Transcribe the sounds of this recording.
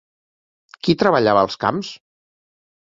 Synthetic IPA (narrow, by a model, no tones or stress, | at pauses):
kit̪ɾəβəʎaβəlˠska̰ms